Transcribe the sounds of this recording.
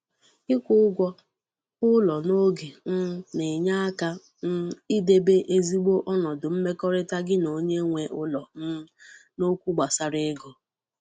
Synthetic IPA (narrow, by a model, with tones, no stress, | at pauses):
ɪ˦kʷʊ˦ʊ˦ɡʷɔ˦ | ʊ˦lɔ˨no˦ɡe˨n̩˦ne˨ɲa˦a˦ka˦ | n̩˦i˦de˨be˦ʔe˦zi˦ɡ͡bo˦ʔɔ˦nɔ˨dʊ˨m̩˦me˦kɔ˦ɾɪ˦ta˦ɡɪ˦no˨˦ɲe˦ŋʷe˨ʔʊ˦lɔ˨˦no˦kʷu˦ɡ͡ba˨sa˨ɾɪ˦ɡɔ˨